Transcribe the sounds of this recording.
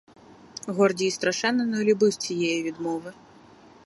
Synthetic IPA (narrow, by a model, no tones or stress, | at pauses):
ɣɔrdʲiːst̪ɾaʂɛnːɐnɐlʲubɨsʲt͡sʲijɛjɛvʲid̪mɔvɨ